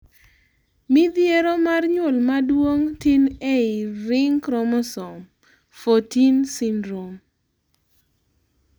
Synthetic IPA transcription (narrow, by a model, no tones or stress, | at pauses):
mɪd̪jeɾomarɲʊlmadwoŋtineɪɾɪŋkɾɔmɔsɔm | fotinsindɾom